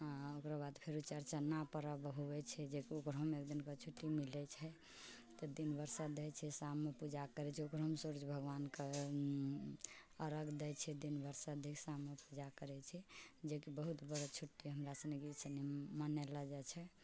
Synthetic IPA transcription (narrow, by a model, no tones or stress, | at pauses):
okɾabad̪pʰeɾut͡ʃəɾt͡ʃanapəɾabɦuɛt͡ʃʰɛd͡ʒekiokɾɦəmekd̪inkət͡ʃʰuʈːimilɛt͡ʃʰɛ | t̪ɔd̪inbʱəɾsad̪ɛjt͡ʃʰɛsamːepud͡ʒakəɾɛt͡ʃʰɛokɾɦəmsuɾd͡ʒbʱəɡʋanke | əɾəɡd̪ɛt͡ʃʰɛd̪inbʱəɾsaəd̪ʱikʰsamːepud͡ʒakəɾɛt͡ʃʰɛd͡ʒekibəɦut̪bəɾət͡ʃʰuʈːiɦəmɾasənekiit͡ʃənimənɛləd͡ʒat͡ʃʰɛ